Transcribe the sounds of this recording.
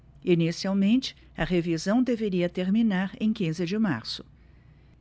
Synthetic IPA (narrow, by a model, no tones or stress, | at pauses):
inisiawmẽnt͡ʃɪ̥ | ɐʁevizɐ̃w̃d̪eveɾiɐt̪eɾminaɾẽj̃kĩzɪd͡ʒɪma̰ɾsʊ̥